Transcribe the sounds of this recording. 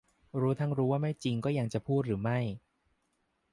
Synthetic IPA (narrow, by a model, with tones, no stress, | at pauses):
ɾuː˦˥t̪ʰa˥˩ŋɾuː˦˥waː˥˩ma˥˩jt͡ɕi˧ŋkɔː˥˩ja˧ŋt͡ɕa˨˩pʰuː˥˩t̪̚ɾɯː˩˦ma˥˩j